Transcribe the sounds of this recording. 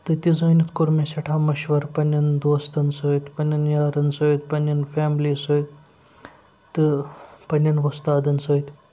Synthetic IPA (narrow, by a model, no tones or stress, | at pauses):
t̪ɨt̪ʲizɐːnit̪kuɾmesɐʈʰaːmɐʃʋɐɾpɐnʲɐnd̪oːst̪ɐnsoːjt̪pɐnʲːɐnjaːɾɐnsoːjt̪pɐnʲɐnfaːmliːsoːjt̪ | t̪ɨpɐnʲɐnʋɐst̪aːd̪ɐnsoːjt̪ʲ